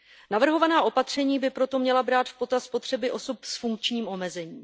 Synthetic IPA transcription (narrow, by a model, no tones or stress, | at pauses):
navr̩ɦo̞vanaːʔo̞pat̪r̝̥ɛɲiːbɪpɾo̞t̪o̞mɲɛlabɾaːt̪fpo̞t̪aspot̪r̝̥ɛbɪʔo̞sopsfuŋk̚t͡ʃɲiːmʔo̞mɛzɛɲiː